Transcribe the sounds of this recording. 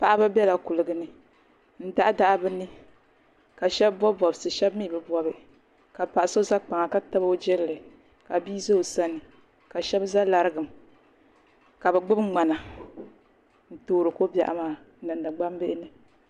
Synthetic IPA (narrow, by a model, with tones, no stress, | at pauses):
pa˨ʔa˦ba˦bɛ˦la˨ku˨lɨ˨ɡɨ˦nɨ˦ | n̩˦da˦ʔa˦da˦ʔbɨ˦nɨ˦ | ka˨ʃɛ˦bbɔ˦bɔ˨bsɨ˨ʃɛ˦bmi˦˨bɨ˦bɔ˦bɨ˨ | ka˨pa˨ʔa˨so˦za˦k͡pa˨ŋa˨ka˦ta˦ba˦o˦d͡ʒɛ˦llɨ˨ | ka˨bi˦zo˦˨sa˦nɨ˨ | ka˨ʃɛ˦bza˦la˨ɾɨ˦ɡɨ˨m˨ | ka˨bɛ˨ɡ͡bʊ˦bŋ͡ma˨na˨ | n̩˨toː˦ɾɨ˨ko˦bja̰˨ʔa̰˨maː˨˦˨ | nɨ˨nda˨ɡ͡ba˦m˦be˦ʔɪ˦nɨ˦